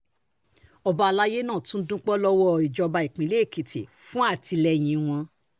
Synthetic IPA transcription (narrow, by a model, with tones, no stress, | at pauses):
ɔ˧ba˧a˧la˦je˦nãː˦˨tũ˦n̩˦dũ˦k͡pɔ˦lɔ˦wɔ˦˨i˨d͡ʒɔ˧ba˧i˨k͡pĩ˨˦le˦˨ki˨ti˨ | fũ˦a˦˨ti˧lɛ˧j̃ĩ˧w̃ɔ̃˧